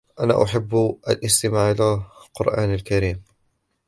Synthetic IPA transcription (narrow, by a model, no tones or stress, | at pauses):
ʔana̰ːʔʊħabːʔalʔɪst̪ɪmaːʕʔɪlaqʊɾʔaːnalkaɾiːm